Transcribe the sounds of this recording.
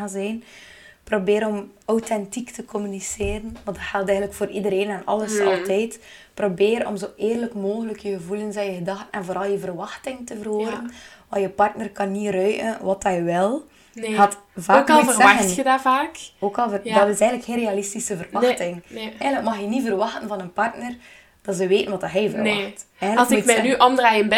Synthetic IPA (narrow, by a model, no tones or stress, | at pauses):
azɛjnprobeːɾɔmɔwtɛntiktəkɔmyniseːɾənʋɑndɑtxɛlˠtɛjɣəndləkfoːɾidəɾeːnɛnɑ̰ləsɑ̰lˠtɛjtprobeːɾɔ̰mzoːʔeːrləkmoːɣələkjəɣəvulənsɛjəɣədɑxtənɛnvoːɾɑlˠjəvərʋɑxtɪŋtəvərɦoːɾənʋɑjəpɑrtnərkɑnːirœjʔə̰nʋɑtɛjʋɛlˠ | ɣaːtvaoklˠvəənədaːvaːkoːkɑlˠvədɑtɪsɛjɣənləkxeːnrealistisəvərʋɑxtɪŋɛɣənləkmɑxjənivərʋɑxtənvɑnənpɑrtnər | d̥ɑtzəʋeːtənʋɑtɑɦɛjvərɑxt | ɛɣllksɪkmɛnyʔɔndraːjənbɛ